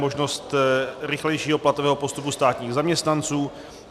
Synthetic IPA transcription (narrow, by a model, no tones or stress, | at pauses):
mo̞ʒno̞st̪ɾɪxlɛjʃiːɦoplat̪ovɛːɦopo̞st̪upust̪aːt̪ɲiːɣzamɲɛst̪nant͡suː